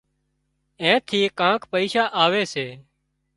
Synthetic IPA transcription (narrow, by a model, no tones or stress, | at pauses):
ẽːt̪ʰiːkãːkpəiːʃaːʔaːʋeːseː